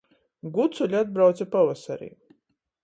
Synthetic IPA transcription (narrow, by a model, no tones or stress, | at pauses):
ɡut̪suʎʲad̪̚bɾawt̪sapavasaɾḭː